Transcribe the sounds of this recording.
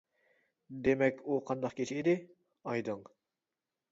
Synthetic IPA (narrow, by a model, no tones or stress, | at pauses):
d̪emɛkʲuqʰɑnd̪ɑqkʲʰet͡ʃʰiid̪ɪ | ɑjd̪ɨŋ